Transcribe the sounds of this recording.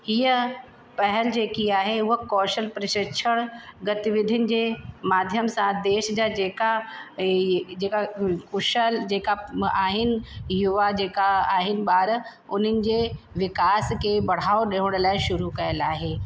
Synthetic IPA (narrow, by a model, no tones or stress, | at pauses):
hiːə | pɐɦəld͡ʑeːkiaːɦeʊɦokɔːʃəlpɾɪʃɪkʃʰəɽ̃ɡɐt̪iʋɪd̪ʱɪʊnɪ̆d͡ʑeːmaːd̪ʱjəmsãd̪eːʃd͡ʑaːd͡ʑeːka | d͡ʑeːkakʊʃəld͡ʑeːkaaːɦɪnɪ̆jʊʋad͡ʑeːkaaːɦɪnɪ̆ɓaːɾ | ʊn̤ənɪ̆d͡ʑeːʋɪkaːskʰeːbɐɽ̤aːoɗeɦʊɽ̃̆laːɪʃʊɾukɐjəlaːɦeː